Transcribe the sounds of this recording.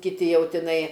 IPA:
kʲɪˈtʲɪ ˈjɛʊ tʲɪˈnɐɪ

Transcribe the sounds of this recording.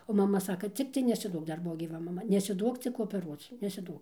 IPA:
oː mɐˈmɐ ˈsɑːkɐ ˈt͡sʲɪktɐɪ nʲɛsʲɪˈduɔk ˈdɐr ˈbʊʋoː ɡʲiːˈʋɐ mɐˈmɐ nʲɛsʲɪˈduɔk t͡sʲɪk oːpʲɛˈruɔt͡s nʲɛsʲɪˈduɔk

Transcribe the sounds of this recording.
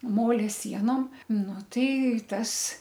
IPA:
ˈmoːlʲɛ ˈsʲiɛnoːm ˈnʊ ˈtɐɪ ˈtɐs

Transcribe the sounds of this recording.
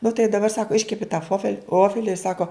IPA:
nʊ tɐɪ dɐˈbɐr ˈsɑːkoː ˈɪʃʲkʲɛpʲɪ tɐ ˈfoːfʲɛlʲ ˈʋoːfʲɛlʲɪ ɪr ˈsɑːkoː

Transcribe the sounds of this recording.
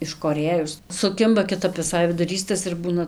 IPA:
ɪʃkoːˈrʲeːjʊs sʊˈkʲɪmbɐ kʲɪˈtɐp ʋʲɪˈsɐɪ ʋʲɪdʊˈrʲiːs tɐs ɪr ˈbuːnɐ

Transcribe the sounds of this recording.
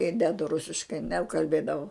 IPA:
ɪ ˈdʲæːdʊ ˈrʊsʲɪʃkɐɪ nʲɛkɐlʲˈbʲeːdɐʋɐʊ

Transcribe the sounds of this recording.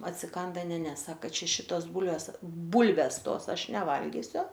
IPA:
ɐtʲsʲɪˈkɐndɐ ˈnʲɛ ˈnʲɛ ˈsɑːkɐ ˈt͡ʃʲɛ ˈʃʲɪtoːs ˈbuːlʲʋʲeːs ˈbuːlʲʋʲɛs ˈtoːs ˈɐʃ nʲɛˈʋɐlʲɡʲɪsʲʊ

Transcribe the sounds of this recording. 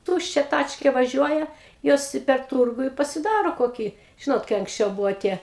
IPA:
ˈtuːʃʲt͡ʃʲɛ ˈtɑːt͡ʃʲkʲeː ʋɐˈʒʲuɔjɛ ˈjoːs ɪ pʲɛr ˈtuːrɡʊ ɪ pɐsʲɪˈdɑːroː koːˈkʲiː ˈʒʲɪnoːt kɐɪ ɐŋksʲˈt͡ʃʲɛʊ ˈbʊʋoː ˈtʲiɛ

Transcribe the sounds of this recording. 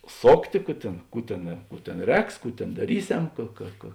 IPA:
ˈsoːktʲeː ˈkuː tʲeːn ˈkuː tʲeːn ˈkuː tʲeːn ˈrʲɛːks ˈkuː tʲeːn dɐˈrʲiːˌsʲɛm ˈkɐ kɐ kɐ

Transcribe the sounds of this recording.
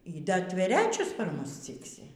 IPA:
iː ˈdɐ tʲʋʲɛˈrʲæːt͡ʃʲʊs pɐr ˈmʊs ˈt͡sʲɪksʲɪ

